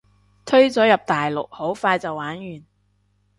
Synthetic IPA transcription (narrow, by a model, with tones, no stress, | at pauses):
t̪ʰɵ˥ɥt͡sɔː˨˥jɐ˨p̚t̪aː˨jlʊ˨k̚ho˨˥wfaː˧jt͡sɐ˨wːaː˨˥njyː˨˩n